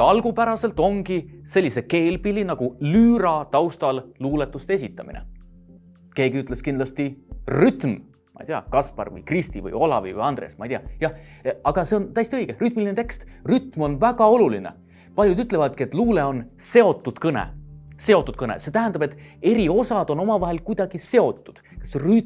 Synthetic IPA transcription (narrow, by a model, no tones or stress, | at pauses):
ɑlɡ̥upæɾɑse̞lt̪ˑo̞ŋɡise̞lʲːiseke̞ːlbilinɑɡ̥ulyːɾɑt̪ɑwst̪ɑlluːle̞t̪ːˑust̪ee̞sit̪ːˑɑmḭnḛ | ke̞ːɡiyt̪ːˑle̞skind̪lɑst̪iryt̪m | mɑ̰ijt̪iɑ̰kɑspɑ̰rvɤ̰jkrist̪ivɤ̰jo̞lɑ̰vḭvɤ̰jɑnd̪̥rḛsmɑ̰it̪iɑjɑɑɡ̥ɑse̞ont̪æjst̪iɤjɡ̥eryt̪milinet̪e̞kst̪ryt̪mo̞nvæɡ̥ɑo̞lulinḛ | pɑlʲjud̪yt̪ːˑle̞vɑd̪̚ket̪ːˑluːle̞o̞nse̞o̞t̪ːˑud̪̥kɤnḛse̞o̞t̪ːˑut̪̚kɤnḛse̞t̪æɦænd̪ɑbe̞t̪ːˑe̞ɾio̞sɑd̪̥o̞no̞mɑvɑɦe̞lkujd̪ɑɡ̥ise̞o̞t̪ːˑu̥d̪̥kɑ̥sry